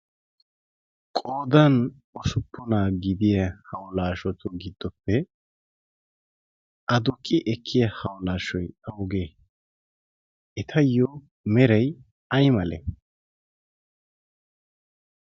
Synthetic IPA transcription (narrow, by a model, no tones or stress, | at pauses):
kʼoːd̪ɐn | ɔsʊpːʊnaːɡɪd̪ɪjɐhɐwlaːʃɔt̪ʊɡɪd̪̥ːɔpːɛ | ʔɐd̪ʊkʼːɪʔɛkʰːɪjɐhɐwlaːʃɔjɐwʊɡeː | ɛt̪ʰɐjːɔ | mɛɾɐj | ɐjmɐlɛ̰